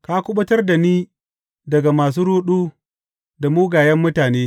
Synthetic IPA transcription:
ka˦kʷʊ˦ɓʊ˦tɐ˦rda˨niː˦ | dɐ˨ɡa˨maː˨s̬uː˦ɽuː˦ɗuː˦ | da˨muː˦ɡaː˨jɐ˦mːʊ˦taː˨neː˦

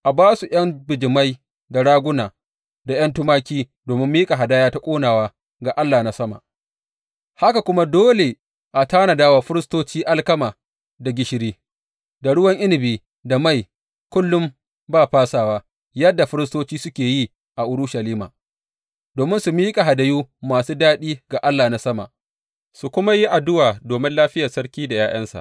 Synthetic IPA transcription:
ʔa˨baː˦su˨j̰ɐ˦mbɪ˨d͡ʒɪ˨ma˦j | da˨ɽaː˦ɡʷʊ˦naː˨ | da˨j̰ɐ˦ntʊ˦maː˦kʲiː˦ | doː˨mɪ˦mːiː˦kʼa˨ɦa˨daː˦jaː˦ta˦kʷʼoː˦naː˨waː˦ | ɡaː˨ʔa˦lːaː˨na˦sɐ˦ma̰˨ʔ | ha˦ka˨kʷʊ˦ma˦doː˦le˨ | ʔa˨taː˦na˨daː˦wa˨ɸɪ˦ɾɪ˦stoː˦t͡ʃiː˦ʔa˦lkɐ˦maː˨ | da˨ɡʲɪ˦ʃɪ˦ɾiː˦ | da˨ɽʊ˦wɐ˦ŋʔɪ˦nɪ˨biː˦ | da˨ma˦˨j | kʷʊ˦lːʊ˦m | baː˦ɸaː˦saː˨waː˦ | jɐ˦dːa˨ɸɪ˦ɾɪ˦s̬toː˦t͡ʃiː˦sʊ˦kʲeː˨ji˦ | ʔa˨ʔʊ˦ɾʊ˦ʃa˨liː˦ma̰ː˨ | doː˨mɪ˦nsu˨miː˦kʼa˨ɦa˨da˨juː˦maː˨suː˦daː˦ɗiː˦ɡa˨ʔa˦lːaː˨na˦sɐ˦ma̰˨ʔ | su˨kʷʊ˦ma˦ji˦ʔa˨dʊ˦waː˨doː˨mɪ˦nlaː˦ɸɪ˦ja˨sɐ˦ɾkʲiː˦da˨jaː˦j̰ɐ˦nsa̰˨

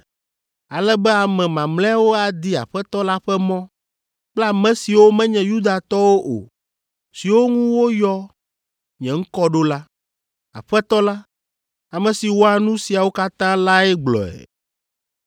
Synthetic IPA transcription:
a˨lɛ˦bɛ˦a˨mɛ̃˨mã˨mlɛ̃˦a˦wo˦a˨d̪i˦a̰˨ɸɛ˦t̪ɔ˦la˦ɸɛ˦mɔ̃˦ | k͡pla˨mɛ̃˦si˨wo˦mɛ̃˦ɲɛ̃˨ju˦d̪a˨t̪ɔ˦wo˦ʔo̰˨ | si˨wo˦ŋũ˦wo˦jɔ˦ | ɲɛ̃˨ŋ̩˦kɔ˦ɖo˦la˦ | a̰˨ɸɛ˦t̪ɔ˦la˦ | a˨mɛ̃˨si˨wo˦a˨nũ˦si˨a˨wo˦ka˦t̪ã˦la˦ɛ˦ɡ͡blɔ̰˨ɛ̰˨

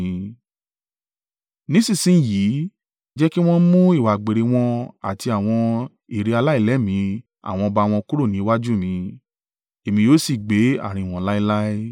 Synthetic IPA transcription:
nĩ˨˦sĩ˦˨sĩ˦˨ji˨˦ | d͡ʒɛ˦ki˦w̃ɔ̃˦mũ˦i˦˨wa˨ɡ͡be˨ɾe˨˧w̃ɔ̃˧a̰˨ti˧a˨w̃ɔ̃˧ | i˨ɾi˨˧a˧la˦i˦˨lɛ˨˦mĩ˨˧˦ | a̰˨w̃ɔ̃˧ba˧w̃ɔ̃˧ku˦ɾo˦˨nĩ˨˦wa˦d͡ʒu˦mĩ˨˧ | e˨mĩ˧joː˦si˦˨ɡ͡be˨˦a̰˨ɾ̃ĩ˧˨w̃ɔ̃˧˦la˦i˧˦la˦i˦

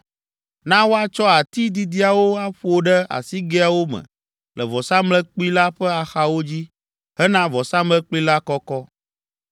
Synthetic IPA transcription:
nã˦wo˦a˦t͡ʃɔ˦a˨t̪i˦d̪i˨d̪i˦a˨wo˦a˦ɸo˦ɖɛ˦a̰˨si˦ɡe˦a˨wo˦mə̰̃˨ | lɛ˨vɔ˨sã˦mlɛ˦k͡pli˦la˦ɸɛ˦a˨xa˦wo˦d͡ʑi˦ | ɦɛ˦nã˦vɔ˨sã˦mlɛ˦k͡pli˦la˦kɔ˦kɔ˦

